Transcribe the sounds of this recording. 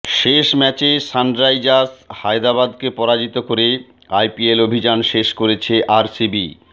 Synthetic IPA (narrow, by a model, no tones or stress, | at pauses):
ʃeʃmɛt͡ɕesanɖɾajd͡ʑashaejd̪abad̪kepɔɾad͡ʑit̪okoɾe | ajpielobʱid͡ʑanʃeʃkoɾet͡ɕʰeʔaɾsibḭ